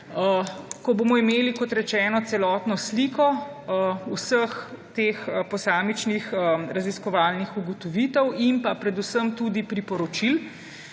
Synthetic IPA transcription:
əkɔboːmɔimeːlikɔt̪ɾɛt͡ʃɛːnɔt̪sɛlɔːt̪nɔsliːkɔ | usəxt̪eːxpɔsaːmit͡ʃnixəɾaziskɔʋaːlnixuɡɔt̪ɔʋiːt̪ɛwimpapɾɛd̪usəmt̪uːd̪ipɾipɔɾɔt͡ʃil

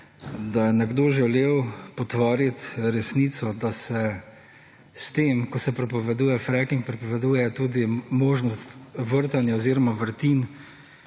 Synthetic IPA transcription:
d̪ajɛnɛɡd̪oːʒɛleːwpɔt̪ʋaːɾit̪ɾɛsniːt̪sɔd̪asɛ | st̪eːmkɔsɛpɾɛpɔʋɛd̪uːjɛfɾɛkiŋkpɾɛpɔʋɛd̪uːjɛt̪uːd̪imoːʒnɔstt̪ʋəɾt̪anjaɔziːɾɔmaʋəɾt̪in

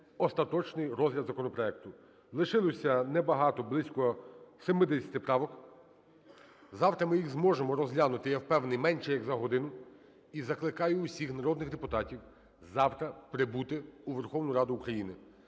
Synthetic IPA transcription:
ɔst̪ɐt̪ɔt͡ʃnɪjɾɔzʲlʲɐd̪zɐkɔnɔpɾɔɛk̚t̪ʊ | lˠɪʃɪlˠɔsʲɐnɛbɐɦɑt̪ɔblˠɪsʲkɔsemɪd̪ɛsʲɐ̥t̪ɪpɾɑʋɔk | zɑwt̪ɾɐmɪjixzmɔʒemɔɾɔzlʲanʊt̪ɪjɐwpɛwnɪjmɛnʃɛjɐɡzɐɦɔd̪ɪnʊ | izɐklˠɪkɑjʊːsʲixnɐɾɔd̪nɪxd̪epʊt̪ɑtʲiw | zɑwt̪ɾɐpɾɪbut̪ɪuʋerxɔwnʊjɾɑd̪ʊːkɾɐjinɪ

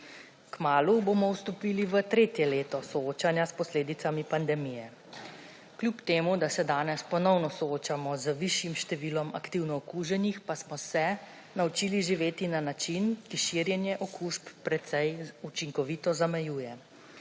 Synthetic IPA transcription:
kmaːluboːmɔwst̪ɔpiːliʋət̪ɾeːt̪jɛleːt̪ɔsɔoːt͡ʃanjaspɔsleːd̪it̪samipand̪ɛmijɛ | klʲjupt̪eːmud̪asɛd̪aːnɛspɔnɔwnɔsɔoːt͡ʃamɔzəʋiʃjimʃt̪ɛʋiːlɔmakt̪iwnɔɔkuːʒɛnixpasmɔsɛ | naut͡ʃiːliʒiʋeːt̪inanat͡ʃinkiʃiɾjɛnjɛʔɔkuʃpːɾɛt̪sɛjut͡ʃiŋkɔʋit̪ɔzamɛjuːjɛ

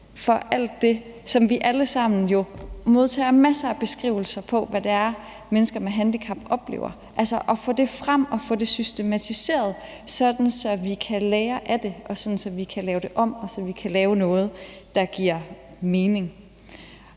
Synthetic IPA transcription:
fɒ̽ʔæl̰d̥ːe̝sɒ̽mʋiʔæləsɑ̈m̰n̩jo̝mo̝ð̞ˠt͡sʰɛ̰ːmæsɐːb̥e̝sɡ̥ʁḭːʊl̩sɐpʰɒ̽ʋæd̥eæɐ | menəsɡ̥ɐmeɦænd̥ikʰɑ̈b̥ɒ̽b̥le̝̰ːʊ̰ɐ | ʔælsɐʔɒ̽fɔ̰d̥e̝fʁam̰ɒ̽fɔd̥e̝sysd̥e̝mæt͡sʰise̝̰ːɐð̞ˠ | sɒ̽d̥n̩sɒ̽ʋikʰælɛːɐʔæd̥e̝ʔɒ̽sɒ̽d̥n̩sɒ̽ʋikʰælɛːʊd̥e̝ʔɒ̽m̰ɒ̽sɒ̽ʋikʰælɛːʊnɔ̽ːð̞̩ˠd̥ɑ̈ɡ̥iɐ̰ | me̝ːne̝ŋ

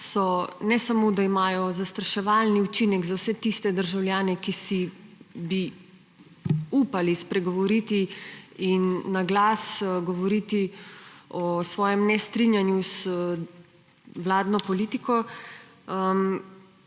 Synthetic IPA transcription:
sɔnɛsamod̪aimaːjɔzast̪ɾaʃɛʋalniut͡ʃinɛɡzawsɛt̪ist̪ɛd̪əɾʒawljaːnɛkisibi | upalispɾɛɡɔʋɔɾiːt̪iinːaɡlasɡɔʋɔɾit̪i | ɔsʋɔːjɛmnɛst̪ɾinjanjus | wlaːd̪nɔpɔliːt̪ikɔ | əm

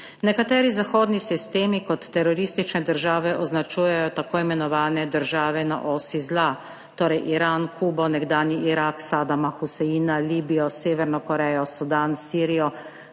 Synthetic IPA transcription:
nɛkat̪ɛːɾizaxoːd̪nisist̪eːmikɔt̪ːɛɾɔɾist̪it͡ʃnɛd̪əɾʒaːʋɛʔɔznat͡ʃuːjɛjɔt̪akoːimɛnɔʋaːnɛd̪əɾʒaːʋɛna̰ʔɔːsizla | t̪oːɾɛjʔiɾaːnkʰuːbɔnɛɡd̪aːnjiʔiɾaksaːd̪amaxusɛiːnaliːbijɔseːʋɛɾnɔkɔɾɛːjɔsud̪aːnsiːɾijɔ

